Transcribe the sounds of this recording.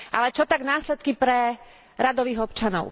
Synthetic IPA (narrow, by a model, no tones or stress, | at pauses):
ʔa̰lɛt͡ʃɔt̪aɡnaːslɛt̪̚kipɾɛ | ɾad̪ɔʋiːɣɔpt͡ʃanɔ̰ʊ